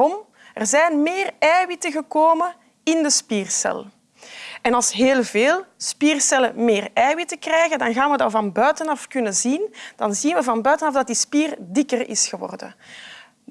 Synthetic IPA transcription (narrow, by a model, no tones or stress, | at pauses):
ɔm | ərzɛjnmeːrɛːwitəɣəkoːmə | ɪndəspiːrsɛ̰lˠ | ɛnɑlˠsɦeːlˠveːlˠspiːrsɛlə̰meːrɛːwitəkrɛjɣədɑnɣaːnʋədɑvɑnbœːɥtənɑfkʏnəzind̥ɑnzinʋəvɑnbœːtənɑfdɑt̚dispiːrdikərɪ̰sxəwɔ̰rdə̰